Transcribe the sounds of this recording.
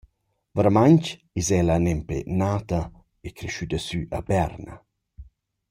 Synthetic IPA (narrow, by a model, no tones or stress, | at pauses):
vəɾmaɲt͡ʃ | izɛlanɛmpḛnaːt̪ɐ | ekɾeʃyd̪əsyʔɐbɛrnɐ̰